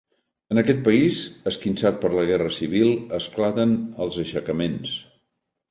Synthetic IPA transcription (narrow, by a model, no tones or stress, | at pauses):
ənəkɛt̪̚pəizəskinsat̪̚pəɾləɣɛrəsiβilˠəsklat̪ənəlˠzəʃəkəmens